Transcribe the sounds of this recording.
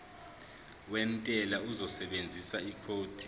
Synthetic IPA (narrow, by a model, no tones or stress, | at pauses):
wɛntʼɛlauzɔsɛɓend͡zʱisaikʰoːd̥ʱi̥